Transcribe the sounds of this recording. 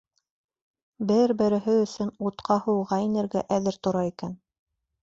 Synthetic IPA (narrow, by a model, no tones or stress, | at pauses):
bɘɾbɘ̆ɾɘ̆ɦɘɵ̆sɵnut̪qʰɑhɤ̆wʁɑinɘ̆ɾɡæʔæðɘɾt̪ŏɾɑikæn